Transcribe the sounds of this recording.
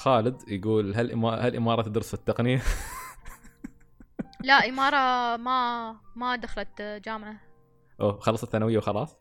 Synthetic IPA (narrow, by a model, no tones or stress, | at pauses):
xaːlɪd̪jɪɡuːlɦalʔɪ̰mɑhalʔɪ̰mɑːɾˤɑt̪ɪd̪ɾɪsfɪt̪ːɑqnɪja | laʔɪmɑːɾˤɑmamad̪axalat̪d͡ʒaːmʕa | ʔoːxɑlˤːɑsˤɑθanawɪjːawxɑlɑːsˤ